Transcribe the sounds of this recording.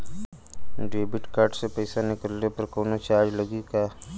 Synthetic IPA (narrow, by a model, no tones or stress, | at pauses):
ɖeːbɪʈkaːɾʈsepəjsanɪkəlːepɐɾkoːnat͡ʃaːɾd͡ʒləɡikaː